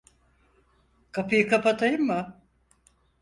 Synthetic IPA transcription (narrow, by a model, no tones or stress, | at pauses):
kʰapɯjɯkʰapat̪ʰajɯmːʊ